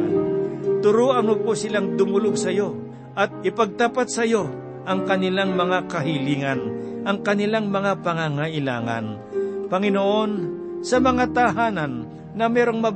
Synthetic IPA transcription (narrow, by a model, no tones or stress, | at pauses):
t̪ʊɾoːʔɐŋoposɪlaŋd̪ʊmʊloɡ̚sɐjo̞ | ʔɐt̪̚ɪpɐɡ̚t̪apat̪̚sɐjo̞ | ʔɐŋkɐnɪlaŋmɐŋakɐɦɪliːŋɐnʔɐŋkɐnɪlaŋmɐŋapɐŋaŋɐʔɪla̰ːŋɐ̰n | pɐŋɪnoʔo̞n | sɐmɐŋat̪ɐɦaːnɐnː | ɐmɛːɾoŋmɐ